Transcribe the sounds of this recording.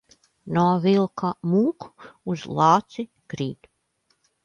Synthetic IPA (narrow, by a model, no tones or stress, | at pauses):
nɔvilˠkʰamuːku̥uz̥lˠɑːt̪si | kɾiːt̪